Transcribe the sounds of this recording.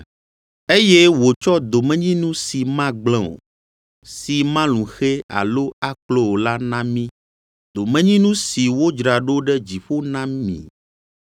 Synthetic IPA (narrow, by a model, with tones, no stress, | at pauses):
e˦jɛ˦wo˨t͡ʃɔ˦d̪o˨mɛ̃˦ɲĩ˦nũ˦si˨mã˦ɡ͡blɛ̃˦˨o̰˨ | si˨mã˦lũ˨xe˦a̰˨lo˦a˦k͡plo˦wo˨la˦nã˦mĩ˦ | d̪o˨mɛ̃˦ɲĩ˦nũ˦si˨wo˦d͡ʒɾa˨ɖo˦ɖɛ˦d͡ʑi˨ɸo˦nã˦mḭ̃˨